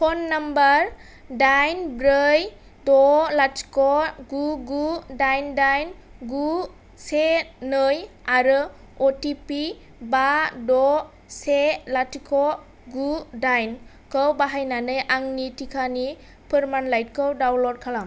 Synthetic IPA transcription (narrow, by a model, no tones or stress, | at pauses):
pʰɔnːambaɾ | dajnbɾɯj | dɔlatʰi̥kɔɡuɡudajndajnɡu | senɯjaɾɯ | ɔtipi | badɔ | selatʰikʰɔ | ɡudajn | kɯwbaɦajnanɯjʔaŋnitʰikʰani | pʰɯɾmanlajt̚kɯwdawlɔd̚kʰalam